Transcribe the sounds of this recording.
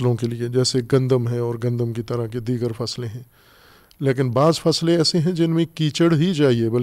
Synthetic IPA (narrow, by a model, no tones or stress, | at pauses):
lõkelied͡ʒɛːseɡɐ̃nd̪əmɦɛ̃ɔːɾɡɐ̃nd̪əmkit̪ɐɾaked̪iːɡəɾfɐslẽɦɛ̃ː | leːk̬ɪnbaːzfɐslẽɛːseɦɛ̃d͡ʒɪnmẽkiːt͡ʃəɽɦit͡ʃaːɦiebɐl